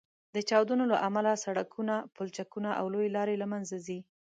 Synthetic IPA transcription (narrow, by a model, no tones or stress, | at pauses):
d̪ət͡ʃɑwd̪unola̰ʔamalasaɽakʰunapolt͡ʃakunaʔa̰wlojelɑɾelamanzazi